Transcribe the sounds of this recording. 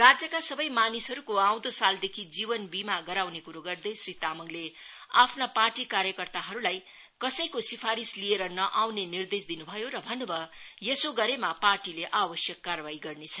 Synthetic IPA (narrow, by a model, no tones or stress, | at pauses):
rad͡zjʌkasʌbʌjmanisɦʌɾukoaw̃d̪osald̪ekʰid͡zibʌnbimaɡʌɾawnekuɾuoɡʌrd̪ejsrit̪amʌŋleapʰnaparʈikaɾjʌkʌrt̪aɦʌɾulaj | kʌsʌjkosipʰaɾislieɾʌnʌʔawnenird̪esd̪inubʱʌjoɾʌbʱʌnːobʌjesoɡʌɾemaparʈileʔabʌsjʌkːarbaiɡʌrnet͡sʰʌ